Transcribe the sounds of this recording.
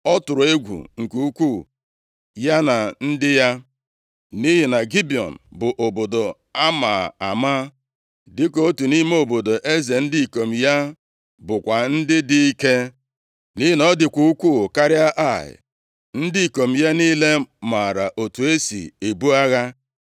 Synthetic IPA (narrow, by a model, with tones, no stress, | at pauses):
ɔ˦tʊ˨ɾʊ˨e˦ɡʷṵ˨ŋ̩˨ku˦u˦kʷu˦˨ | ja˦na˨n̩˦dɪ˦ja˦ | ni˦ɦɪ˨na˨ɡi˦bi˨ɔ̰˨n̩˨bʊ˨ʔo˨bo˨do˨ | a˦ma̰ː˨a˨maː˦ | dɪ˦ko˨o˦tu˨ni˦m˦o˨bo˨do˨ʔe˦ze˨n̩˦di˦i˨ko˨m̩˨ja˦ | bʊ˨kʷa˨n̩˦dɪ˦dɪ˦i˦ke˦ | ni˦ɦi˨nɔ˦dɪ˨kʷu˦u˦kʷuː˦˨ka˦ɾɪ˦a˦ʔa˦˨ɪ̰˨ | n̩˦di˦i˨ko˨m̩˨ja˦niː˦le˦ma˨ɾa˨ʔo˨tu˨e˦sḭ˨e˨bu˦a˦ɣa˦